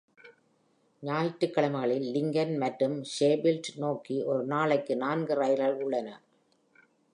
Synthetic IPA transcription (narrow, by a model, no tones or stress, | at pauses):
ɲaːjɪʈːɯkːɐɭɐmɐɣɐɭɪlːɪŋɡɐnmɐʈɾɯmʂeːbɪlʈnoːkiʔɔɾɯnaːɭɐɪkːɯnaːnɡɯɾɐjɪɾɣɐɭʊɭːɐnɐ